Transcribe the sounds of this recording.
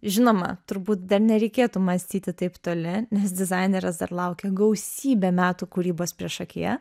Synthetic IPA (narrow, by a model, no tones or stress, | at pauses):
ʒʲɪnoːmɐ̰t̪ʊɾbuːt̪d̪ɐɾnʲɛɾʲɛɪkʲeːt̪umɐsʲt̪ʲiːt̪ʲɪt̪ɐɪpt̪oːlʲɪnʲɛsd̪ʲɪzɐɪnʲɛɾɐsd̪ɐ̰ɾlˠɐʊkʲɛɡɐʊsʲiːbʲemʲæːt̪uːkʊɾʲiːboːspʲɾʲiɛʃɐkʲḭjɛ